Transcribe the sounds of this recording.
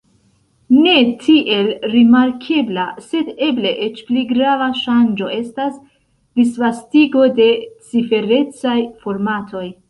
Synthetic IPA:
ne̞tʰiʔe̞lɾimaɾkʰe̞blase̞de̞ble̞ʔe̞t͡ʃpliɡɾavaʃand͡ʒo̞e̞stas | d̥isvastiɡo̞de̞t͡sife̞ɾe̞t͡sajfo̞ɾmatʰo̞j

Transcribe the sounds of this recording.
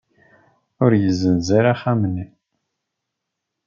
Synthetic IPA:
ʊɾjəzːənziɾaχæmənːi

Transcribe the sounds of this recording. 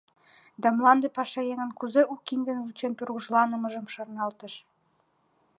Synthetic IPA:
d̪ɑmlɑnd̪epɑʃɑjeŋə̆nkuzeʔukːind̪ə̆nβut͡ɕent̪urɣuʒlɑnə̆mɤ̆ʒə̆mʃɑrnɑlt̪ə̆ʃ

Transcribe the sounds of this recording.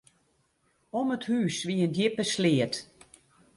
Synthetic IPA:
ɔməthyːsʋiəndjɪpəslɪət

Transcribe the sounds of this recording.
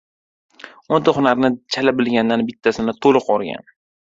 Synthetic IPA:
ont̪aχʊnaɾnɪt͡ʃʰalabɪlɡʲand̪anbɪt̪ʰːasɪnɪt̪ʰolˠɨqɒɾɡʲa̰n

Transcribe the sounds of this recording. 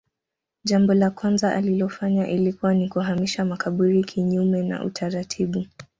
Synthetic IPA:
ʄambɔlakwanzaʔa̰lilɔfaɲaʔilikuwanikuɦamiʃamakaɓuɾikʰiɲumɛna̰ʔṵtʰaɾatʰiɓu

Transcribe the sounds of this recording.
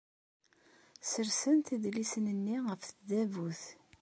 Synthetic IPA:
səɾsənt̪iðlisənənːiʁəfθd̪ævuθ

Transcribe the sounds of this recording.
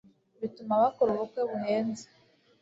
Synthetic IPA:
βitumaβakoɾuβukweβuheːnze̥

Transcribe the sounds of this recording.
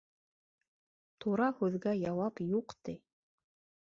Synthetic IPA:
t̪ʰuɾɑhʉðɡæjɑwɑpjuqt̪i

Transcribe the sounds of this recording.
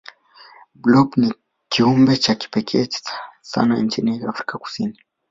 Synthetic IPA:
blɔbni | kʰiumbɛt͡ʃaki̥pɛkʰɛt͡ʃsa̰naɲt͡ʃiniaafɾikaku̥sini

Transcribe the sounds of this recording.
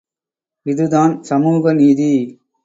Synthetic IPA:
ɪðɯðaːnsɐmuːɣɐniːði

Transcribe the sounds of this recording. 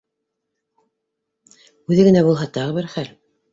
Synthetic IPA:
ʉðɘɡɘ̆næbulˠɦɑt̪ɑʁɤβɘɾχæl

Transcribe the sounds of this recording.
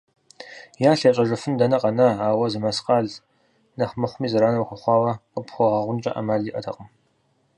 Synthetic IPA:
jaːɬɐɕʼɐʒɨfɨndɐnɐqʼɐnɐaːwɐzɨmɐsqɑːɮ | nɐχmɨχʷʊmiːzɨɾaːnɐwxʷʊχʷɑːwɐqəpxʷɔʁɐʁʷʊnt͡ʃʼɐ̰ʔɐ̰maːɮiːʔɐtʰɐ̰qʼəm

